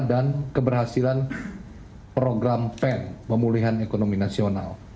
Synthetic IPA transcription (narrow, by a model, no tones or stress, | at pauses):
dankəbərɦasilan | pɾoɡɾampɛnpəmuliɦanekonominasiona̰l